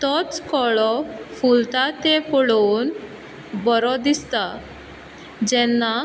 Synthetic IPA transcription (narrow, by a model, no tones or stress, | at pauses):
t̪ɔt͡skɔɭɔfult̪at̪epɔɭon | bɔɾɔd̪ist̪a | d͡ʑɛnːa